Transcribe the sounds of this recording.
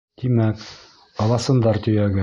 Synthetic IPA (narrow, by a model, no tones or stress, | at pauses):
t̪imæk | ɑlɑsɤ̆nd̪ɑɾt̪ɵ̆jæɡɘ